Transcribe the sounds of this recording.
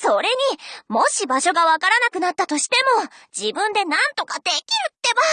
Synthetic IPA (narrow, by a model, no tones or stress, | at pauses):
so̞ɾe̞ɲ̟imo̞ɕibaɕo̞ɡaβakaɾanakɯ̟nat̪ːat̪o̞ɕi̥t̪e̞mo̞d͡ʑibɯ̟̃nd̪e̞nãnt̪o̞kad̪e̞kʲiɾɯ̟t̪ːe̞βa